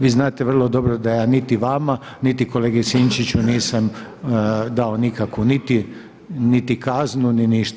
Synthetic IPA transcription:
ʋiːznaːt̪eʋr̩lˠo̞d̪o̞bɾod̪ajaːnit̪iʋama | nit̪iko̞leːɡesint͡ʃit͡ɕuniːsam | d̪ao̞nikakʋunit̪i | nit̪ikaznuniniʃt̪

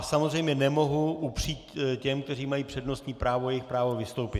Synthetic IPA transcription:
samozrejmɲɛnɛmo̞ɦuʔupr̥iːt̪cɛmk̚t̪ɛriːmajiːpr̥ɛdno̞st̪ɲiːpɾaːvojɛjɪxpɾaːvo̞vɪst̪o̞wpɪt̪

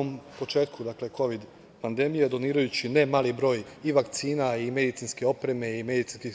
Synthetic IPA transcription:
ompo̞t͡ʃe̞ːt̪kʰud̪akle̞ko̞ʋid̪ | pand̪e̞mijed̪o̞niːɾajut͡ɕinemaːlibɾo̞ːjiʋakt̪siːnaime̞d̪it̪sinske̞o̞pɾe̞me̞ime̞d̪it̪inski

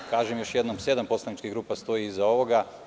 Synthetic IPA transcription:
kaːʒemjo̞ʃjed̪nomse̞d̪ampo̞slˠanit͡ʃkiɡɾuːpast̪o̞iizao̞ʋo̞ɡa

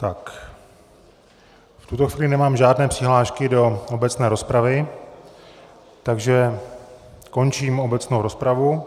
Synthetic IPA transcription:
t̪ak | ft̪ut̪oxviːlɪnɛmaːmʒaːdnɛːpr̥ɪɦlaːʃkɪdo̞obɛt͡snɛːɾo̞spɾavɪ | t̪aɡʒɛ | ko̞nt͡ʃiːmo̞bɛt͡snowɾo̞spɾavu

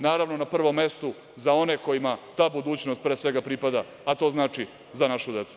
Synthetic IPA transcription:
naːɾaʋno̞napr̩ʋo̞mːe̞st̪u | zao̞ne̞ko̞jimat̪aːbud̪uːt͡ɕnost̪pɾe̞ːsʋe̞ɡapɾipad̪aː | t̪o̞ːznaːt͡ʃi | zanaʃud̪e̞t̪su̥

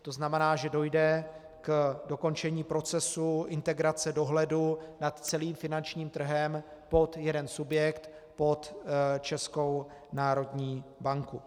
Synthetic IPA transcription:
t̪o̞znamɛnaːʒɛdo̞jdɛ | kdo̞ko̞nt͡ʃɛɲiːpɾo̞t͡sɛsuʔɪnt̪ɛɡɾat͡sɛdo̞ɦlɛdunat̪t͡sɛliːmfɪnant͡ʃɲiːmt̪r̩ɦɛmpo̞t̪jɛdɛnsubjɛkt̪ | po̞t̪t͡ʃɛsko̞w | naːɾo̞dɲiːbaŋku

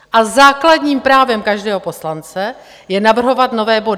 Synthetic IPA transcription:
ʔazaːkladɲiːmpɾaːvɛmkaʒdɛːɦo̞po̞slant͡sɛ | jɛnavr̩ɦo̞vat̪no̞vɛːbo̞dɪ

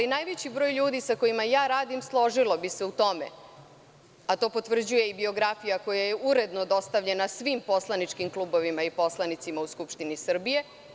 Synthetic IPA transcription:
alinaːjʋet͡ɕibɾo̞ːjʎuːd̪isako̞jimajaːɾaːd̪imslˠo̞ʒilo̞bise̞ut̪o̞mḛ | at̪o̞ːpo̞t̪ʋr̩d͡ʑuje̞ibio̞ɡɾafijako̞jaje̞uɾe̞d̪no̞d̪o̞st̪aʋʎe̞nasʋimpo̞slˠanit͡ʂkimklˠuːbo̞ʋimaipo̞slˠanit̪simauskupʃt̪inisr̩bije̞

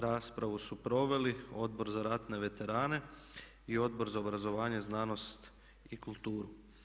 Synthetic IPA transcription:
ɾaːspɾaʋusupɾo̞ʋe̞lio̞d̪̚bo̞ɾzaɾat̪ne̞ʋe̞t̪e̞ɾaːne̞ | io̞d̪̚bo̞ɾzaobɾazo̞ʋaːɲe̞znaːno̞st̪ | ikulˠt̪uːɾu

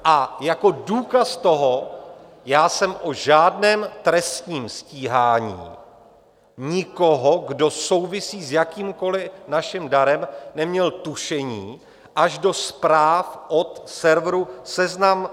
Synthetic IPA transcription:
ʔajako̞duːkast̪o̞ɦo | jaːsɛmʔoʒaːdnɛːmt̪ɾɛst̪ɲiːmsciːɦaːɲḭː | ɲɪkoɦo̞ɡdo̞so̞wvɪsiːzjakiːmko̞lɪnaʃɪmdaɾɛmnɛmɲɛlt̪uʃɛɲiː | ʔaʒdo̞spɾaːfʔo̞t̪sɛɾvɾusɛznam

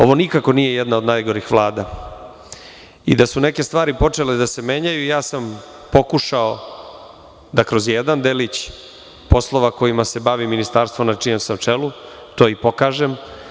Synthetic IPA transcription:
o̞ʋo̞nikako̞nije̞jɛd̪naod̪najɡo̞ɾixʋlˠaːd̪a | ḭd̪asune̞ke̞st̪vʋaːɾipo̞t͡ʂe̞led̪ase̞me̞ːɲajuijaːsam | po̞kuʃao | d̪akɾo̞zjed̪and̪elit͡ɕ | po̞slˠo̞ʋako̞jimase̞baʋiminist̪aːɾst̪vʋo̞mnat͡ʂiemsamt͡ʂelu | t̪o̞ːipo̞kaːʒem

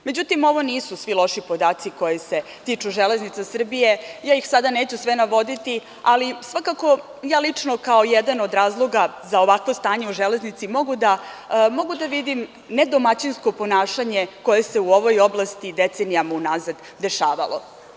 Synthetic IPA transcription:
me̞d͡ʑut̪imo̞ʋo̞niːsusʋilo̞ʃipo̞d̪aːt̪siko̞jese̞ | t̪it͡ʃuʒele̞znit̪sasr̩bije̞jaːjixsad̪aneːt͡ɕusʋe̞naʋo̞d̪it̪i | alisʋakako̞ | jaːlit͡ʂno̞kaojɛd̪ano̞d̪ɾaːzlˠo̞ɡazaoʋakʋo̞st̪aːɲeuʒele̞znit̪simo̞ɡud̪a | mo̞ɡud̪aʋid̪im | ne̞d̪o̞mat͡ɕinsko̞po̞naːʃaɲe̞ko̞je̞se̞uo̞ʋo̞jo̞blˠast̪id̪et̪senijamaunazad̪ | d̪e̞ʃaːʋa̰lʔo̞̰

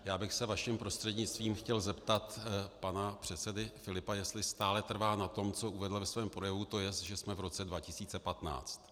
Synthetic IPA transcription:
jaːbɪxsɛvaʃimpɾo̞st̪r̥ɛdɲɪt͡st̪viːmxcɛlzɛpt̪at̪panapr̝̥ɛt̪sɛdɪfɪlɪpajɛst̪lɪst̪aːlɛt̪r̩vaːnat̪o̞mt͡so̞ʔuvɛdl̩vɛsvɛːmpɾo̞jɛvut̪o̞jɛst̪ʒɛsmɛvɾo̞t͡sɛdvacɪsiːt͡sɛpat̪na̰ːt͡st̪

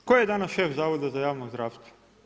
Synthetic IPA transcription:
kojjed̪anasʃefzaːʋod̪azajaːʋnozd̪ɾaːʋst̪ʋo

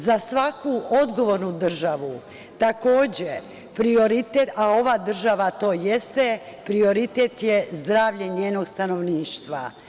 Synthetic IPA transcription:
zasʋakuo̞d̪ɡo̞ʋo̞ɾnud̪r̩ʒaʋu | t̪ako̞ːd͡ʑe | pɾio̞ɾit̪eao̞ʋad̪r̩ʒaʋat̪o̞ːje̞st̪epɾio̞ɾit̪eːt̪jezd̪ɾaːʋʎeɲeːno̞ɡst̪ano̞ʋniːʃt̪ʋa̰

